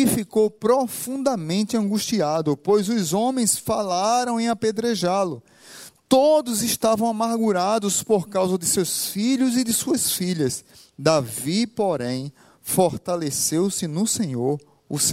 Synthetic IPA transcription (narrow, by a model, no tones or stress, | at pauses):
ifikowpɾofũnd̪ɐmẽnt̪ɪɐ̃ɡuʃt̪iad̪ʊpojzʊzõmẽj̃sfalaɾɐ̃w̃ẽaped̪ɾeʒalʊ | t̪od̪ʊzɪʃt̪avɐ̃w̃amaɾɡuɾad̪ʊspoɾkawzɐd̪ɪsewsfiʎʊzɪd̪ɪsuɐsfiʎɐs | d̪avipoɾẽj̃ | foɾt̪alesewsɪnʊsẽɲoɾ | ʊs